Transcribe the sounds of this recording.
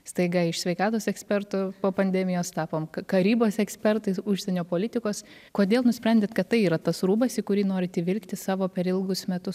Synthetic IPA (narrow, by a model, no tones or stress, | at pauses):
st̪ɐɪɡɐɪʃsʲʋʲɛɪkɑːt̪oːsɛksʲpʲɛɾt̪ʊpoːpɐnʲd̪ʲɛmʲɪjoːst̪ɑːpoːmkɐkɐɾʲiːboːsɛksʲpʲɛɾt̪ɐɪʊʃʲsʲɛnʲoːpoːlʲɪt̪ʲɪkoːs | koːd̪ʲeːlˠnʊsʲpʲɾʲɛnʲd̪ʲeːt̪kɐt̪tɐɪiːɾɐt̪ɐsɾuːbɐsikʊɾʲiːnoːɾʲɪɐt̪ʲɪʋʲɪlʲkt̪ʲɪsɑːʋoːpʲɛɾɪlˠɡʊsmʲɛt̪ʊs